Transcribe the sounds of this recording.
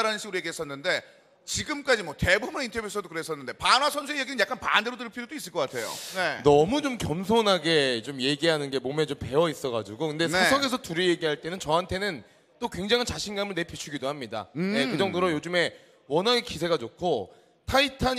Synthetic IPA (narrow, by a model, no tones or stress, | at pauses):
ɾanɯnɕʰiɡɯɾoeɡiɦes͈ʌnːɯnde̞ | t͡ɕiɡɯmk͈ad͡ʑimwʌte̞bubuneintʰʌbvjuesʰʌdokɯɾees͈ʌnːɯnde̞panwasʰʌnsʰuejeɡinɯnjak͈anpandeɾodɯɭpʰiɾodois͈ɯɭk͈ʌk͈atʰe̞jo̰nenʌmut͡ɕomkjʌmsʰonaɡe̞t͡ɕomje̞ɡiɦanɯnɡe̞momet͡ɕompe̞ʌis͈ʌɡad͡ʑiɡokɯndesʌsʰʌŋe̞sʰʌtuɾije̞ɡiɦaɭt͈e̞nɯnt͡ɕʌɦantʰe̞nɯn | t͈okwe̞ŋd͡ʑaŋʰɯnt͡ɕaɕʰinɡamɯɭne̞pʰjit͡ɕʰuɡidoɦamɲida̰jekɯd͡ʑʌŋdoɾojod͡ʑɯme̞ | wʌnɦaekisʰe̞ɡad͡ʑokʰo | tʰaitʰaɲ